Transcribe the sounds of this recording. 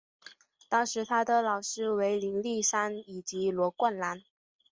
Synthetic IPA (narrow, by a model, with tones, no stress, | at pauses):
t̪ɑ˥ŋʂɻ̩˧˥t̪ʰa˥d̪ə˨lɑ˨˩ʊʂɻ̩˥we˧˥ɪli˧˥ŋli˥˩ʂa˥ni˨˩t͡ɕi˧˥lwɔ˧˥kwa˥˩nla˧˥n